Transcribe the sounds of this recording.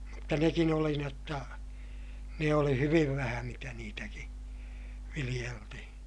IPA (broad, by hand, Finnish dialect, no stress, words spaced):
mutːɑ nekin oli ni otːɑ ne oli hyʋiʋ ʋæhæ mitæ niːtæki ʋilij̆eltihĩː